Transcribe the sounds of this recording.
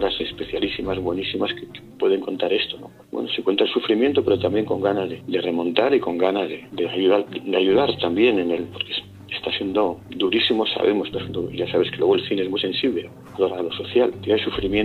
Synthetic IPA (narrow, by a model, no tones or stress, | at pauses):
oɾase̞spe̞θjalisimazβwe̞nisimaskekepwe̞ðe̞ŋko̞nt̪aɾe̞st̪o̞no̰ | wḛnoseŋkwe̞nt̪aelsufɾimjent̪ope̞ɾo̞t̪ambje̞ŋko̞ŋɡanazðed̪e̞re̞mõ̞nt̪aɾiko̞ŋɡanazðed̪eaʝuðaɾd̪eaʝuð̞aɾt̪ambje̞nenelpo̞ɾkes | est̪asje̞nd̪o̞d̪uɾisimo̞sa̰βe̞mose̥st̪asend̪oiʝasaβeskelwo̞ɣoelθineezmujse̞nsiβle | aðoɾalo̞so̞θjalt̪eajsufɾimjen